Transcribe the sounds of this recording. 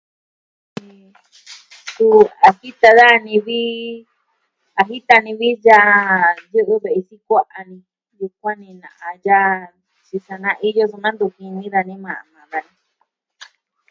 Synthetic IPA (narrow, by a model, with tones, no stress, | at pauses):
nĩ˧ | su˧a˨hi˦t̪a˧ða˦˧nĩ˧βi˦ | a˧ɦi˦t̪a˧nĩ˧βi˦ja˦˧˦ju˦ʔɨ˦βe˨ʔi˧si˦kʷa˦ʔa˧nĩ˧ | ju˧kʷã˦nĩ˧nã̰˨ʔã˧ja˦ | t͡ʃi˧sa˧nã˦ʔi˧jo˦su˧nã˦nd̪u˧˨kĩ˧nĩ˦ða˧nĩ˦mã˨ʔa̰˨mã˨ða˧nĩ˧